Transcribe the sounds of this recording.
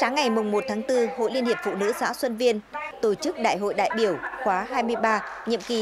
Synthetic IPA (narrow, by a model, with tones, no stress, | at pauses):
saː˨˦ŋːa˨˩jmʊ˨˩ŋ͡mmo˨˩t̚t̪ʰaː˨˦ŋt̪ɨ˧ho̰˧˨jli˧ənhi˨˩əp̚fṵ˧˨nɨ̰˧˥sa̰ː˧˥swə˧nvi˧ənt̪o˧˩t͡ɕɨ˦˥k̚ɗa̰ː˧˨jɦo̰˧˨jɗa̰ː˧˨jɓi˧˩əwxwaː˨˦ɦaː˧jmɨ˧əjɓaː˧ɲə̰˧˨əmki˨˦